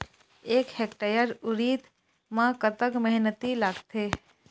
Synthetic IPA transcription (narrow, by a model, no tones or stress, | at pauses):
eːkhekʈajəɾʊɾiːt̪ | mãkət̪əkməɦnət̪ilaɡt̪eː